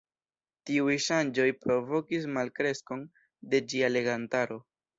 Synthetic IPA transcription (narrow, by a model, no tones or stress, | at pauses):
tiujʃand͡ʒo̞jpɾo̞vo̞kis̬malkɾe̞sko̞n | de̞d͡ʒiale̞ɡantaɾo̞